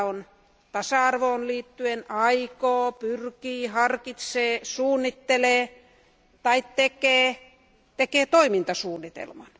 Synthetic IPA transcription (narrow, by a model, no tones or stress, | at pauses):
on | t̪ɑsɑɑrʋoːnliːt̪ːyenɑikoːpyrkiːhɑrkit̪seːsuːnːit̪ːeleː | t̪ɑit̪t̪ekeː | t̪ekeːt̪oimint̪ɑsuːnːit̪ḛlmɑn